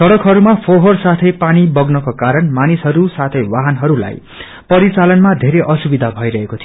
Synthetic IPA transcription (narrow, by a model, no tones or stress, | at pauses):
sʌɽʌkɦʌɾumapʰoɦʌrsat̪ʰʌjpanibʌɡnʌkokaɾʌnmanisɦʌɾusat̪ʰʌjwaɦanɦʌɾula̰j | pʌɾit͡salʌnmad̪ʱeɾeʔʌsubid̪ʱabʱʌjɾʌɦekot̪ʰijo